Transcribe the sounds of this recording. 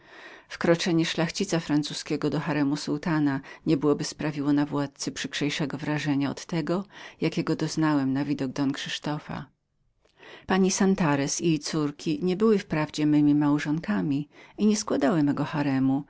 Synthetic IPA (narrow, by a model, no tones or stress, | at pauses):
fkɾɔt͡ʂɛɲɛʂlaxt͡ɕit̪safɾant̪suskʲɛɡɔd̪ɔxaɾɛmusult̪anaɲɛbɘwɔbɘspɾavʲiwɔnavwat̪̚t̪sɘpʂɘkʂɛjʂɛɡɔvɾaʐɛɲaɔ̰t̪ːɛɡɔjakʲɛɡɔd̪ɔznawɛmnavʲid̪ɔɡ̚d̪ɔnkʂɘʂt̪ɔfa̰ | paɲisant̪aɾɛsijt̪suɾkʲʰiɲɛbɘwɘfpɾavd͡ʑɛmɘmʲimawʐɔŋkamʲiiɲɛskwad̪awɘmɛɡɔxaɾɛmu